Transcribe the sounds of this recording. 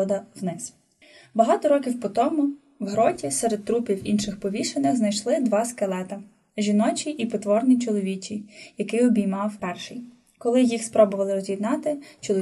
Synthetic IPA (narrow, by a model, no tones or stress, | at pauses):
ɔd̪ɐwnɪs | bɐɦɑt̪ɔɾɔkʲiwpɔt̪ɔmʊ | wɦɾɔtʲisɛɾed̪̚t̪ɾupʲiwinʃɪxpɔʋʲiʃenɪxznɐjʃlˠɪd̪ʋɑskelˠɛt̪ɐ | ʒʲinɔt͡ʃiʔipɔt̪ʋɔrnʲit͡ʃɔlˠɔʋʲit͡ʃʲijɐkɪɔbʲijmɑwpɛrʃɪj | kɔlˠɪjixspɾɔbɔʋɐlˠɪɾɔzʲjid̪nɑt̪ɪt͡ʃɔlˠɔ